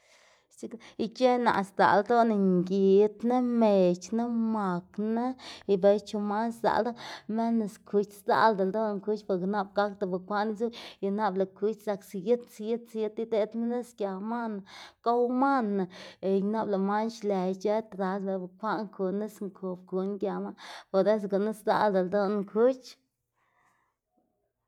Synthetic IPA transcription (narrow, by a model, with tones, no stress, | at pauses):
t͡ʃi˦ki˧t͡ʃe˦na̰˨ʔsd̪a̰˨ld̪o˦na˨ŋɡi˨t̪ne˦me˨t͡ʃna˦ma˨kna˦i˧be˨˧jt͡ʃu˧ma˦nsa̰˨ld̪a˦me˦na˧skʰu˧t͡ʃsd̪a̰˧˦ld̪a˨ld̪o˦n˧˨ŋku˧t͡ʃpa˧˨kna˦b̚ɡa˦kd̪a˨ba˨kʷa˦ʔni˦zu˦ja˨na˦bla˨ku˧t͡ʃsa˨ksi˨ji˦t̪si˧ji˦t̪sje˦t̪i˦d̪e˧t̪na˦ne˦skja˨ma˦na˨ka˦wma˦na˨e˨jna˦bla˨ma˦nʃle˨jt͡ʃe˦t̪ɾa˨lbe˧˨ba˨kʷa˦ʔŋkʰu˨ne˦sŋkʰu˨b̚ku˨nɡja˨ma˦po˨d̪e˦s̬ɡa˨na˦sd̪a̰˧ld̪a˨ld̪o˦n˧ŋkʰu˦t͡ʃ